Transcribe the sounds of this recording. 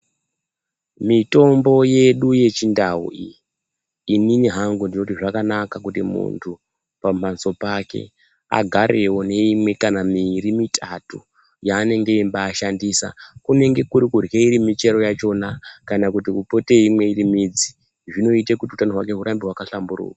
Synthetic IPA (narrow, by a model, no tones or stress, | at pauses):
mito̞mbo̞je̞ɗuje̞t͡ʃindaṵḭː | niniɦaŋɡundino̞tiʐakanakakutimṵntʰu | pamanso̞pake̞̰ | a̰ɡʱaɾe̞wo̞ne̞imwe̞kanamiɾimitʰatu | jaːne̞ŋɡe̞imbaːʃandisa̰kune̞ŋɡe̞kuɾikurjeiɾimit͡ʃe̞ɾo̞jat͡ʃo̞nakanakutikupo̞te̞imwe̞iɾimid͡zi | ʐino̞itekutiutanoɦwake̞ɦuɾambiɦwakaɬamburṵːkḁ